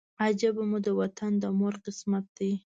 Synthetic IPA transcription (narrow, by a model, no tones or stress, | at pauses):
ad͡ʒabamud̪əwat̪and̪əmʊɾqɪsmat̪̚d̪aj